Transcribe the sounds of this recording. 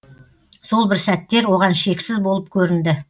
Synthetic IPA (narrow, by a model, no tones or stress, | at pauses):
so̞lˠbɪɾsæt̪ːe̞ɾwo̞ʁɑnʃe̞kʲsɪzbo̞lˠəp̚kʲʰɵɾɪnd̪ɪ